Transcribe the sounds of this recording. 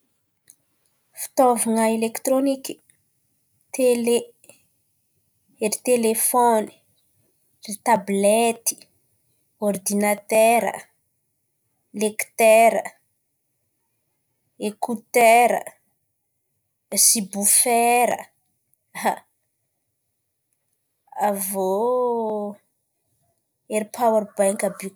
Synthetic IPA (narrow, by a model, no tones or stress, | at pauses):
fi̥t̪ovaŋaelekt̪ɾoniki̥ | t̪ele | eɾit̪elefɔni̥ | rit̪ablet̪i̥ | ord̪inat̪ɛɾə̰ | lekt̪ɛɾə | ekut̪ɛɾə̰ | sibufɛɾə̰ | a | avo | eɾipʰawaɾbajŋkabi